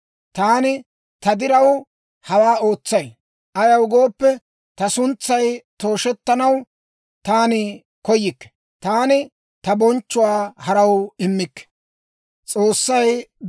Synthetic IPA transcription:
t̪aːnɪ | t̪ɐd̪ɪɾɐw | hɐwaːo̞ːt͡sːɐj | ʔɐjɐwɡo̞ːpːɛ | t̪ɐsʊnt͡sːɐjt̪o̞ːʃɛt̪ːɐnɐw | t̪aːnɪ | kɔjɪkːɛ̥ | t̪aːnɪ | t̪ɐbɔnt͡ʃːʊwaːhɐɾɐwɪmːɪkːɛ̥ | t͡sʼo̞ːsːɐj

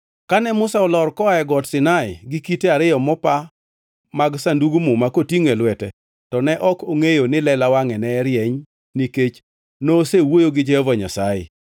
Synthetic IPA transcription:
kanɛmʊsaɔlɔrkɔaɛɡɔtsɪnaɪ̰ɡɪkiteaɾɪjɔmɔpa | maɡsanduɡumumakotiŋɛlwɛtɛ | tɔnɛʔɔkoŋejonɪlɛlawaŋɛnɛːɾjɛɲ | niket͡ʃ | noːsewojoɡɪd͡ʒɛɔvaɲa̰sajɪ̰

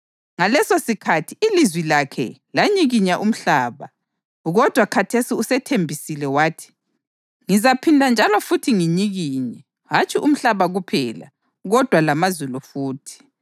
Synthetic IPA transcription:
ŋalɛsosikʰatʰiilizwilakʰɛ̰laɲiɣiɲaʔum̩ɬaːβa | ɣɔd̥ʱwakʰatʰesiusɛtʰembʱisilɛwaːtʰi̥ | ŋizapʰindʱand͡ʒʱalɔfutʰiŋiɲiɣiːɲɛ | ɦat͡ʃʼiʔum̩ɬaβaɣupʰɛ̰la̰ | ɣɔd̥ʱwalamazulufuːtʰi̥

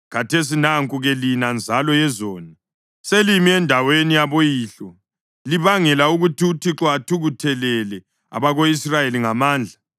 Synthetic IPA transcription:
ɣatʰes̬inaŋkʼuɣɛlinand͡zʱalɔjɛzɔːna | selimiɛndʱawenijaβojiːɬɔ | liβaŋɛlauɣutʰiutʰiǁɔatʰuɣutʰɛlɛlɛ | a̰βaɣoisrajeliŋamaːnd͡ɮʱa

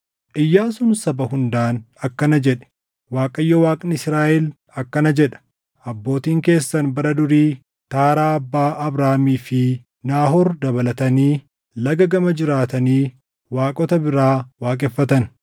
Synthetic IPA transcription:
ʔɪjːaːsʊnsɐbɐhʊnd̪aːn | ɐkːɐnɐd͡ʒɛᶑɛ̥ | waːkʼɐjːɔwaːkʼnɪsɾaːʔɛl | ɐkːɐnɐd͡ʒɛᶑɐ̥ | ʔɐbːo̞ːt̪iːŋke̞ːsːɐnbɐɾɐd̪ʊɾiː | t̪aːɾaːɐbːaːʔɐbɾaːmiːfɪ | naːɦɔɾd̪ɐbɐlɐt̪ɐniː | lɐɡɐɡɐmɐd͡ʒɪɾaːt̪ɐniː | waːkʼɔt̪ɐbɪɾaːwaːkʼɛfːɐt̪ɐn

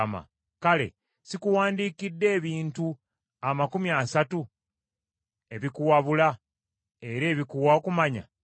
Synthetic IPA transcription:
ma̰ | kale̞̰ | sikuwaːndiːkidːe̞ːβiːntu | amakumiasatu | e̞βikuwaβula | e̞ɾe̞ːβikuwaokumaɲa̰

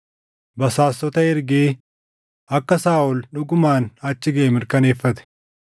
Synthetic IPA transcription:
bɐsaːsːɔt̪ɐɪɾɡeː | ɐkːɐsaːʔʊlᶑʊɡʊmaːnɐt͡ʃːɪɡɐʔɛmɪɾkɐne̞ːfːɐt̪ɛ̥

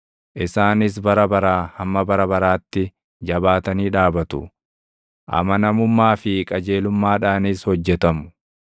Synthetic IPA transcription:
ʔɪsaːnɪs̬bɐɾɐbɐɾaːhɐmːɐbɐɾɐbɐɾaːt̪ːɪ | d͡ʒɐbaːt̪ɐniːᶑaːbɐt̪ʊ̰ | ʔɐ̰mɐnɐmʊmːaːfɪkʼɐd͡ʒe̞ːlʊmːaːᶑaːnishɔd͡ʒːɛt̪ɐmʊ̥

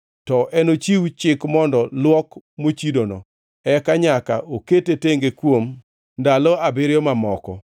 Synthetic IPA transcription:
tɔʔɛnot͡ʃiwt͡ʃɪkmɔndɔlwɔkmot͡ʃidonɔ̰ | ɛkaɲaka̰ʔoketeteŋɡekwom | ndalɔabɪɾjɔmamɔkɔ̰

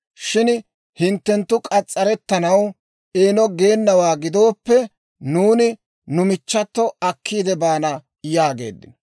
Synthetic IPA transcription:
ʃɪn | hɪnt̪ːɛnt̪ːʊkʼɐt͡sʼːɐɾɛt̪ːɐnɐw | ʔeːnɔɡe̞ːnːɐwaːɡɪd̪o̞ːpːɛ | nuːnɪ | nʊmɪt͡ʃːɐt̪ːɔɐkːiːd̪ɛbaːnɐ | jaːɡe̞̰ːd̪ːɪnɔ

